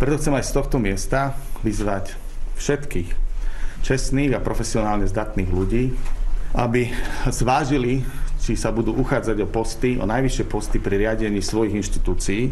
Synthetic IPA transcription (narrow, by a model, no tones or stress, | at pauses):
pɾɛt̪ɔxt͡sɛmajst̪ɔxt̪ɔmɪɛst̪aʋizʋac | fʃɛt̪kiːxt͡ʃɛsniːɣapɾɔfɛsiɔnaːlɲɛzd̪at̪niːɣluɟiː | abizʋaːʒilit͡ʃisabud̪uːʔuxaːd͡zaɟɔpɔst̪iɔ̰najʋiʃɪɛpɔst̪ipɾiɾɪaɟɛɲiːsʋɔjiɣinʃt̪i̥t̪uːt͡siː